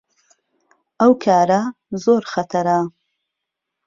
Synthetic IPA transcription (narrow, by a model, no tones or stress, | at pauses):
ʔɐwkʰaːɾɐ | zoːɾxɐt̪ʰɐɾa